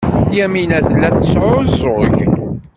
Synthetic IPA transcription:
jæminæθlːæθsʕʊzʊɾʝ

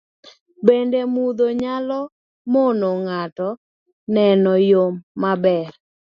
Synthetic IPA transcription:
bendemud̪oɲalɔ | monoŋatɔ | nɛnɔjomːabɛr

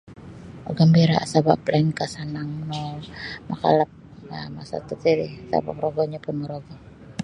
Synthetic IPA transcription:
ʔoɡambiɾaasaba̰plankasanaŋnɔmaka̰lap̚ | amasa̰t̪ut̪iɾisa̰ba̰pɾoɡɔɲapʊnmɔɾoɡɔ

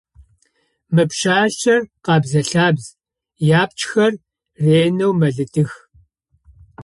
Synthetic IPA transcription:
mɨpʃaːɬt͡ʃɐrqɑːbzɐɬaːbz | jaːp̚t͡ʃxɐr | reːnɐwmɐɮɨtʰɨx

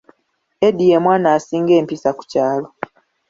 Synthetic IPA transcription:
edijemwaːnaːsiːŋɡeːmpisaku̥caːlo

